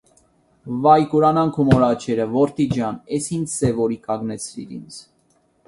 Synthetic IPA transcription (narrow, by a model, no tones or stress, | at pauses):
vɑjkuɾɑnɑŋkʰumɔɾɑt͡ʃʰɛɾəvɔɾt̪id͡ʒjɑnɛshindsɛvɔɾikɑɡnɛt͡sʰɾḭɾḭnt͡sʰ